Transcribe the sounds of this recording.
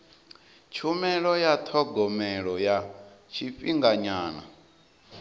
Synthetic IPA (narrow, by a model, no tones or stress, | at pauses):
t͡ʃʰumɛɺɔjat̪ʰɔɡɔmɛɺɔjat͡ʃʰiɸiŋɡaɲaːna̰